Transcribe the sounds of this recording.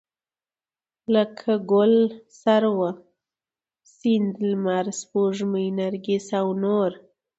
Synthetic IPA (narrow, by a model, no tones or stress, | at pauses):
ləkʰaɡolsaɾwa | sind̪lmaɾspuʐməjnaɾɡisawnoɾ